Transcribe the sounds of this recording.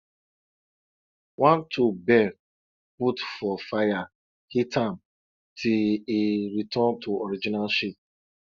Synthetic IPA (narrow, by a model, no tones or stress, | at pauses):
wãntʰubɛ | putfɔfaja | hitãm | tʰiiɾitʰɔ̃ntuɔɾid͡ʒinalʃip̚